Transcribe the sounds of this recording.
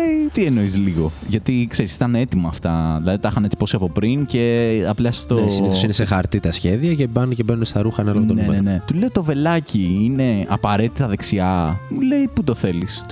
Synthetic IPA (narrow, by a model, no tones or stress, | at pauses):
eit̪ie̞no̞izliɣo̞ʝɐt̪ikse̞ɾisi̥t̪ɐnet̪imɐːft̪ɐðilɐðit̪ɐxɐnet̪i̥po̞siɐpo̞pɾince̞ɐplɐst̪osnisinesexɐɾt̪it̪ɐsçe̞ðiɐcebɐncebenunest̪ɐɾuxɐnɐloɣot̪onemnene̞t̪uleot̪o̞ve̞lɐciine̞ɐpɐɾe̞t̪it̪ɐðe̞ksiɐule̞ipud̪o̞θe̞lis